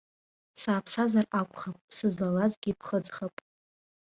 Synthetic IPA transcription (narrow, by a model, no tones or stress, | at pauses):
saːpʰsazarakʷʰʼχapʼsɨzlalazɡʲipʰχəd͡zχapʼ